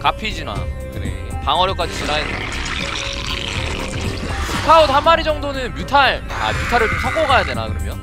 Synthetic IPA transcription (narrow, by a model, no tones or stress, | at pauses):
kapʰid͡ʑina̰kɯɾḛ | paŋɦʌɾjok͈ad͡ʑisʰunaede | pʰukʰaodɦamːaɾid͡ʑʌŋdonɯnmjutʰaɭ | a̰mjutʰaɾɯɭsʰʌɡoɡajade̞nakɯɾʌmjʌn